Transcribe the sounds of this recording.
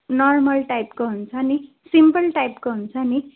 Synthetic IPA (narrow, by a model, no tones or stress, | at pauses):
nʌrmʌlʈajpkoɦunt͡sʰʌni | simpʌlʈajpkoɦunt͡sʰʌni